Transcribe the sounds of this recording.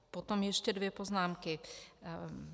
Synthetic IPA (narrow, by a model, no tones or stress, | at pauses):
pot̪omjɛʃcɛdvjɛpoznaːmkɪ